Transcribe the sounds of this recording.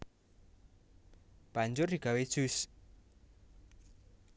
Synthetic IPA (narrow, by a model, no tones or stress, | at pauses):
b̥aɲd͡ʒʊrdiɡ̥awed̥ʒ̥us